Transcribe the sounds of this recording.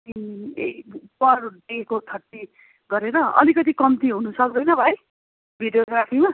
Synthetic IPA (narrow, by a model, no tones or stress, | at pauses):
iepʌrɖekot̪ʰʌʈːi | ɡʌɾeɾʌʌ̰likʌt̪̬ikʌmt̪iɦunusʌk̚d̪ʌjnʌbʱaj | bʱiɖjoɡrapʰima